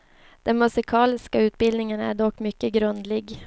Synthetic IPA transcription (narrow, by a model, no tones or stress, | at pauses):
d̪̥ɛnmɵsɪkʰɑːlɪskaʉ̟ːt̪̚bɪld̪nɪŋənæ̰ɖɔkːmʏkːəɡɾɵnd̪lɪɡ